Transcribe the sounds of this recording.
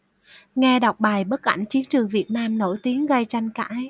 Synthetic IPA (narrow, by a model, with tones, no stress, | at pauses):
ŋɛ˧ɗa˨˩wk͡p̚ɓaː˨˩jɓə˦˥t̚ʔa̰˧˩jŋ̟t͡ɕi˨˦ənt͡ɕɨ˨˩əŋvi˨˩ət̚naː˧mno̰˧˩jt̪i˨˦əŋɣə˧jt͡ɕa˧jŋ̟ka̰ː˧˥j